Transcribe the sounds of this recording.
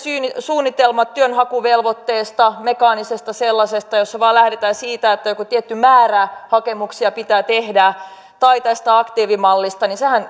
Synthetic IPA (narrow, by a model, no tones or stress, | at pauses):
syːnisuːnːit̪elmɑt̪tyønɦɑkuʋelʋot̪ːeːst̪ɑmekɑːnisest̪ɑselːɑsest̪ɑjosːɑʋɑːlæhdet̪æːnsiːt̪æet̪ːæjokot̪iet̪ːymæːræhɑkemuksiɑpit̪æːt̪ehdæ | t̪ɑit̪æst̪æɑkt̪iːʋimɑlːist̪ɑninsehæn